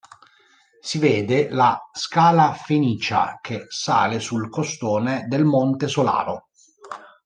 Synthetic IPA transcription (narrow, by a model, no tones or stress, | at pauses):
siveːd̪elaskaːlafeniːt͡ʃa̰kʰesa̰ːlesulkost̪oːned̪elmont̪esola̰ːɾo